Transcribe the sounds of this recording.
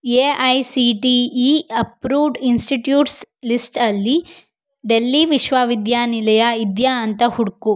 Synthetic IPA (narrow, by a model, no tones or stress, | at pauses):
eːɐjsiʈiːiɐpɾuːʋɖinsʈiʈjuːʈslisʈɐlːi | ɖelːiʋiʃʋaʋid̪jaːnilɐjɐid̪jaɐnt̪ɐhuɽku